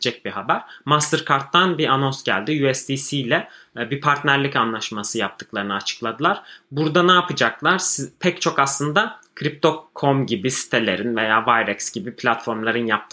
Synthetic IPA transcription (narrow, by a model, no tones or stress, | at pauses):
d͡ʒɛc̚biɦabæɾ̥mast̪ɯɾkʰaɾt̪ːanbiʔano̞nsɟæ̰lʲd̪ijuɛsd̪isijlʲɛ | bipʰaɾt̪næɾlʲicanlˠaʃmasɯjap̚t̪ʰɯ̥klˠaɾɯnɯat͡ʃʰɯ̥klˠad̪ɯlˠaɾ̥buɾd̪anaːpɯd͡ʒaklˠaɾspʰɛct͡ʃʰo̞kaslˠɯnd̪akʰɾip̚t̪ʰo̞kʰːo̞mɟibisi̥t̪ʰe̞lʲe̞̰ɾinve̞jaːvajɾɛksɟ̥ibipʰlʲat̪fo̞ɾmlˠaɾɯnjap̚t̪ʰ